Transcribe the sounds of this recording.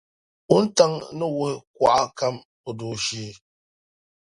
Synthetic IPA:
u˦n̩˦ta˦ŋ˦nə˦wə˦k̚wa̰˦˨ʔa˦ka˦m | o˨do˨ʃi˦

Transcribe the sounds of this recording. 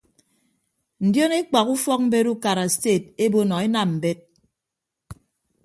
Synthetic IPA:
n̩˨djo˦ne˦k͡pa˨ku˦fɔ˦k̚m̩˦be˦ɾu˦ka˨ɾa˨ste˦˨te˦bo˦nɔ˨e˦na˨mm̩˨be˦t̚

